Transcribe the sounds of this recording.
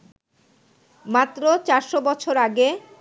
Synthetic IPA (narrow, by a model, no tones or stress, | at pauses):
mat̪ːɾot͡ɕaɾʃobɔt͡ɕʰoɾaɡe